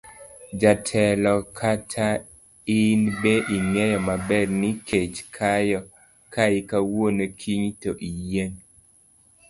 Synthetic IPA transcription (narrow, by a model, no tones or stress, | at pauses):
d͡ʒatʰɛlɔkʰatʰa | ɪnbeʔiŋɛjɔmabɛɾnɪkʰet͡ʃkʰajɔ | kʰaɪkawonekʰiɲtoʔijeŋ